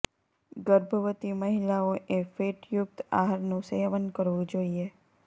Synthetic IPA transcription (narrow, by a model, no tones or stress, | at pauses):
ɡəɾbʱəʋət̪iməɦilaoʔefeʈjʊk̚t̪a̰ɦaɾnũseaʋənkəɾʋũd͡ʒoie